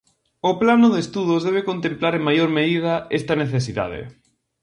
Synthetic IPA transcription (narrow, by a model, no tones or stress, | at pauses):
ʊplanʊðest̪uð̞ʊzðɛβekont̪emplaɾeŋmajoɾmeðið̞ɐest̪ɐneθes̬iða̰ðɪ̰